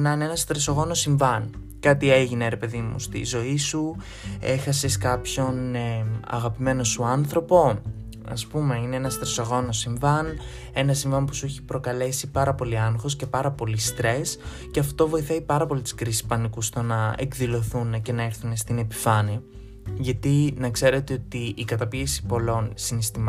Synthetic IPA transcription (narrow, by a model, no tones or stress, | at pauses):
nɐne̞nɐst̪ɾeso̞ɣo̞no̞siɱvɐn | kɐt̪ie̞ʝine̞ɾe̞pe̞ðimṵst̪ḭzo̞isu | e̞xɐseskɐpço̞n | ɐ̰ɣɐpime̞no̞suɐnθɾo̞po̞ | ɐ̰spume̞ine̞enɐst̪ɾesoɣo̞no̞siɱvɐn | e̞nɐsiɱvɐmpusueçi̥pɾo̞kɐle̞sipɐɾɐpo̞liɐnoxo̞sce̞pɐɾɐpo̞list̪ɾe̞s | ce̞ɐft̪o̞vo̞iθɐipɐɾɐpo̞lit̪i̥sɡɾisi̥spɐnikust̪o̞nɐe̞̰kðilo̞θunece̞nɐeɾθunest̪ine̞pi̥fɐni | ʝɐt̪inɐkse̞ɾe̞t̪eot̪iːkɐt̪ɐpiesi̥po̞lo̞nsinest̪im